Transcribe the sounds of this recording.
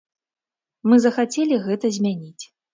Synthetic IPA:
mɨzɐxat͡sʲɛlʲiɣɛt̪ɐzʲmʲanʲit͡sʲ

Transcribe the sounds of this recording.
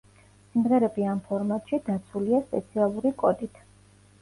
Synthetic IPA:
simʁɛɾɛbiampʰɔɾmat̪ʼʃid̪at̪sʰuliaspʼɛt̪sʰialˠuɾikʼɔd̪it̪ʰ

